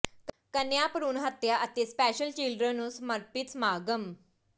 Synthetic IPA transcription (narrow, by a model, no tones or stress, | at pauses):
kkənjapəɾuːnɦət̪jaʔət̪espɛːɕəlt͡ʃilɖɾənũsməɾpit͡smaːɡəm